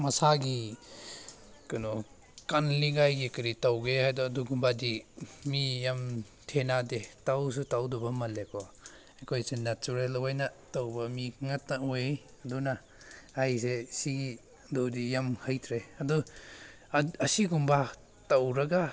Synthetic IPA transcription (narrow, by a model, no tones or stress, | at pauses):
mɐsaɡi | kanɔ | kanliɡajɡikɐɾitawɡehajdɔːduɡumbadimijam | tʰenadetaws̬utawdubɐmɐlekʰɔ | ekʰojsenatuɾelwajnɐtawbɐmiŋɐtnɐojej | ɐduna | ajsesiɡi | dodijamhajtʰɾeɐdu | ɐsiɡumba | tawɾɐɡa